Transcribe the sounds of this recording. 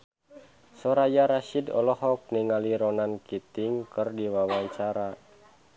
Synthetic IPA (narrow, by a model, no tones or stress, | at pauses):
sɔɾajaɾaʃidɔ̰lɔhɔk̚niŋaliɾɔnankit̪iŋkɨrdiwawaɲt͡ʃaɾa